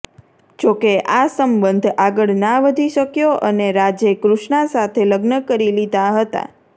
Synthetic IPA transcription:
d͡ʒokeʔasəmbənd̪ʱaɡəɭnaʋəd̪ʱiʃəkjoʔəneɾad͡ʒjekɾuʃnasat̪ʰeləɡnəkəɾilid̪aɦət̪a̰

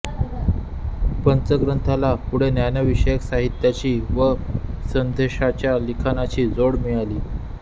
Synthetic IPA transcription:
pənt͡səɡɾənt̪ʰalapuɽ̤enjanəʋiɕəjəksaɦit̪jat͡ɕiːʋəsənd̪ʱeɕat͡ɕjalikʰanat͡ɕiːd͡zoɽmijaliː

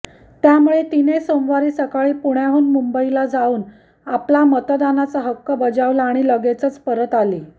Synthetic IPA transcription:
t̪jamuɭet̪inesomʋaɾiːsəkaɭiːpuɽjaɦuːnmumbəilad͡zauːn | aplamət̪d̪anat͡səɦəkːəbəd͡zaʋlaaːɽ̃iləɡet͡sət͡spəɾət̪aliː

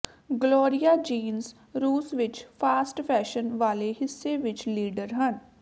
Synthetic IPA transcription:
ɡloːɾijaːd͡ʒiːns | ɾuːsʋɪt͡ʃpʰaːsʈpʰɛːʃənʋaːleɦɪsːeʋɪt͡ʃliːɖəɾɦən

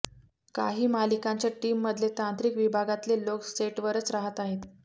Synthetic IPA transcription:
ka̰ɦiːmalikãɲt͡ɕjaʈimːəd̪ʱlet̪ãnt̪ɾikʋibʱaɡat̪leloksʈeʈʋəɾət͡sɾaɦət̪aɦet̪

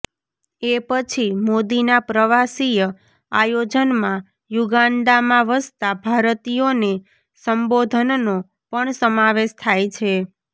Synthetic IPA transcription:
epət͡ʃʰimod̪inapɾəʋasijə | ajod͡ʒənmã | juɡaɳɖamãʋəst̪abʱaɾt̪ijone | səmbod̪ʱənno | pəɳsəmaʋeʃt̪ʰajt͡ʃʰe

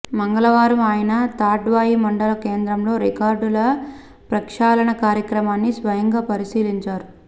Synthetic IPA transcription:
mɐŋɡɐlɐʋaːɾɐmaːjɐnɐt̪aːʈʋaːjimɐɳɖɐlɐke̞ːnd̪ɾɐmlo̞ːɾikaːɾɖulɐ | pɾɐkʂaːlɐɳɐkaːɾjɐkɾɐmaːnːisʋɐjɐŋɡaːpɐɾisiːliɲt͡ʃaːɾu

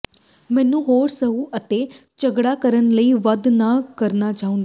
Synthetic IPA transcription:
mɛ̃ːnũːɦoːɾsəɦũːʔət̪eːt͡ʃəɡɽaːkəɾənləiːʋəd̪naːkəɾnaːt͡ʃaːʊ̃nd̪a

